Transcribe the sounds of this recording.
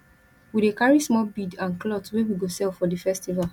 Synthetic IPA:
widekaɹismɔbidãnklɔtwewiɡosɛlfɔdifɛstival

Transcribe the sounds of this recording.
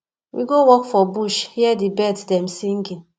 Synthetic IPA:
wḭɡowɔkfɔbuʃhiɛdibɛtdɛm̩siŋ̩ɡin

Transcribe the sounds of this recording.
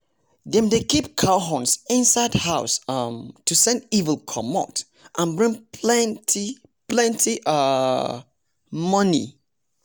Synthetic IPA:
dɛ̃mdekip̚kʰaʊɦɔ̃nsĩnsaɪdhaʊsʌmtʰusɛ̃ndivəlˠkʰɔmɔ̰t | ʔãnbɹĩŋpʰlɛ̃ntʰi | plɛ̃ntʰiʔʌ | mʌnḭ

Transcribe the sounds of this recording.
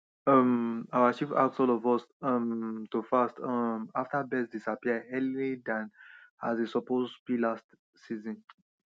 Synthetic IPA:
ɔmawaʃifa̰ksɔlɔvɔsɔmtofastɔmaftabɛsdisapiəhɛlilidãnazesɔpoztbilast | sizɔ̃n

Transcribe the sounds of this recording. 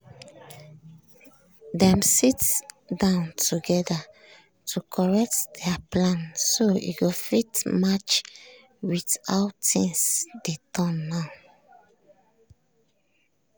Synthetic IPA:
dɛ̃msitdãʊ̃ntuɡɛda | tʰukʰɔɹɛk̚tdɛaplãnsoḭɡofitmat͡ʃ | witaʊtĩŋsdetʰɔ̃nːaʊ

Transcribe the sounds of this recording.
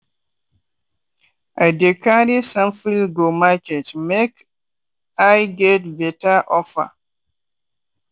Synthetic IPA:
ʔadekʰaɾisãmfiɡomaketmek | ajɡɛtbetaʔɔfa̰

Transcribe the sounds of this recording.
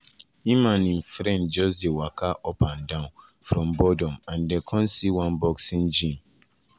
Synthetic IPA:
ĩmãnĩnfɾɛ̃nd͡ʒɔsdewakʰaʔɔpãndãʊ̃n | fɾɔ̃mbɔdɔ̃mãndɛkʰɔ̃nsiwãnbɔksĩnd͡ʒĩm

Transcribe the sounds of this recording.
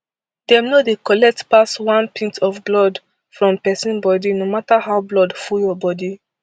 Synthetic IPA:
d̥ɛ̃mnodekɔlɛk̚tpaswãnpʰĩntʰɔfblɔd | fɹɔ̃mpɛsĩnbɔdinomatahawblɔdfuljɔbɔdi

